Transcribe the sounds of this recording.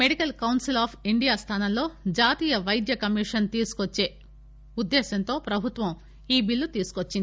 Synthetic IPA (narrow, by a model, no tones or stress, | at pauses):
meɽikɐlkɐwnsilaːpʰiɳɖijaːst̪ʰaːnɐmlo̞ːd͡ʒaːt̪iːjɐʋɐjd̪jɐkɐmiːʂɐnt̪iːsu̥kot͡ʃːe̞ː | ud̪ːɛːsɐnt̪o̞ːpɾɐbʱut̪ʋɐm | iːbilːut̪iːsu̥kot͡ʃːind̪i